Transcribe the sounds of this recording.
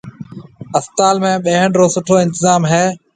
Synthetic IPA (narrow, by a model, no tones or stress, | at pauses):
əst̪aːlmẽːɓeːɦəɳɾoːsʊʈʰoːɪ̃nt̪ɪzaːmɦeː